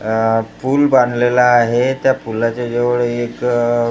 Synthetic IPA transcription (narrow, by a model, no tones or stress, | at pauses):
puːlbãnd̪lelaːɦet̪japulat͡ɕad͡ʑeʋɭeek